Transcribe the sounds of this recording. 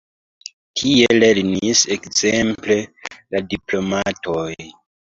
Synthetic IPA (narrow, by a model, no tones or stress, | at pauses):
tʰiele̞ɾnisekzemple̞ladiplo̞matʰoj